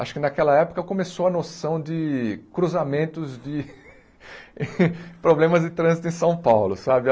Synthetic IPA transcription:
aʃʊ̥kɪnɐkɛlɐɛpʊ̥kɐkõmesowɐnosɐ̃w̃d͡ʒɪkɾuzamẽnt̪ʊzd͡ʒɪ | pɾoblẽmɐzd͡ʒɪt̪ɾɐ̃zit̪ʊẽj̃sɐ̃w̃pawlʊsabɪ

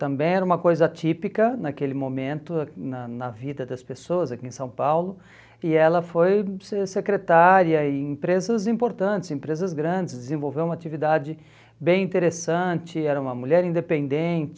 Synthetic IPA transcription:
t̪ɐ̃mbẽj̃ɛɾɐũmɐkojzɐat͡ʃipikɐnɐkelɪmõmẽnt̪ʊnɐnɐvid̪ɐd̪ɐspesoɐzakiẽsɐ̃w̃pawlʊ | ɪɛlɐfojsesekɾet̪aɾjɐɪẽpɾezɐzĩpoɾt̪ɐ̃nt͡ʃɪ̥zẽmpɾezɐzɡɾɐ̃nd͡ʒɪsd̪ɪzẽvowvewũmɐat͡ʃivid̪ad͡ʒɪ | bẽj̃ĩnt̪eɾesɐ̃nt͡ʃɪɛɾɐũmɐmuʎɛɾĩnd̪epẽnd̪ẽnt͡ʃɪ

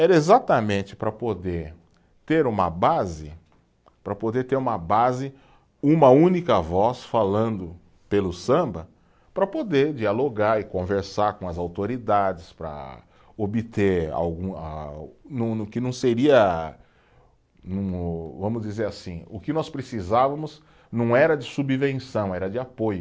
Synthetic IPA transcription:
ɛɾɐezat̪ɐmẽnt͡ʃɪ̥pɾɐpod̪eɾ | t̪eɾũmɐbazɪ | pɾɐpod̪eɾt̪eɾũmɐbazɪ | ũmɐũnikɐvɔsfalɐ̃nd̪ʊ | pelʊsɐ̃mbɐ | pɾɐpod̪eɾd͡ʒialoɡaɾɪkõveɾsaɾkõɐzawt̪oɾid̪ad͡ʒɪspɾɐ̰ | obɪt̪eɾa̰wɡũanɐ̃nʊkɪnɐ̃w̃seɾiɐ | nɐ̃w̃vɐ̃mʊzd͡ʒizeɾasĩʊkɪnɔspɾesizavɐmʊz | nɐ̃w̃ɛɾɐd͡ʒɪsubvẽsɐ̃w̃ɛɾɐd͡ʒɪapojʊ

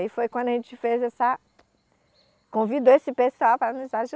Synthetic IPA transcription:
ifojkwɐ̃nd̪ʊɐʒẽt͡ʃɪfezɛsɐ | kõvid̪oesɪpesuawpɾɐnizaʒu

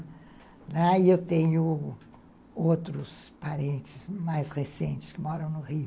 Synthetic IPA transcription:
laiet̪eɲu | ot̪ɾʊspaɾent͡ʃɪ̥smajsresẽnt͡ʃɪ̥skɪmoɾɐ̃w̃nʊrijʊ

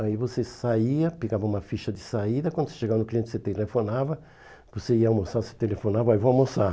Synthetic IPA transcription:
aivosesaiɐpeɡavɐũmɐfiʃɐd̪ɪsaid̪ɐkwɐ̃nd̪ʊse̥ʃeɡavɐnʊkliẽɪ̥kset̪elefonavɐ | voseiɐawmosase̥t̪elefonavɐaivoawmosa

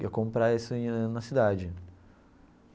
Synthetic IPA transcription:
ɐkõmpɾaisʊ̃nɐsid̪ad͡ʒɪ

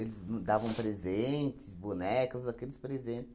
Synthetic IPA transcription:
elɪznd̪avɐ̃w̃pɾezẽt̪ɪ̥sbunɛkɐzakelɪspɾezẽnt̪ɪ̥

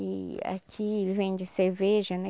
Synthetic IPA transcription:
ia̰kʲʰielɪvẽj̃d͡ʒɪseɾveʒɐnɛ

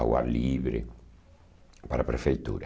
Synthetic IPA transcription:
awa̰ɾliβɾɪ̰ | paɾapɾefejt̪ṵɾa

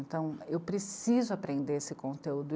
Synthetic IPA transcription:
nt̪ɐ̃w̃ewpɾesizʊapɾẽnd̪eɾesɪkõnt̪eud̪ʊ

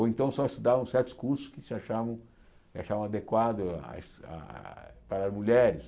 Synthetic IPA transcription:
owẽnt̪ɐ̃w̃sɔɪst̪ud̪avɐ̃w̃sɛɾt̪ʊ̥skuɾsʊ̥skɪsɪaʃavɐ̃w̃ | kɪaʃavɐ̃w̃ad̪ekwad̪ʊa̰a̰paɾɐzmuʎɛɾɪs

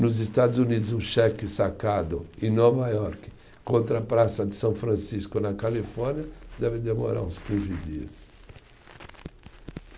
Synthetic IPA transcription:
nʊzɪst̪ad̪ʊzunid̪ʊzũʃɛkɪsakad̪ʊẽnɔvajɔɾkɪ̥ | kõnt̪ɾɐpɾasɐd̪ɪsɐ̃w̃fɾɐ̃siskʊnɐkalifɔɾnjɐd̪ɛvɪd̪emo̰ɾa̰ɾũskĩzɪd̪iɐ̰s

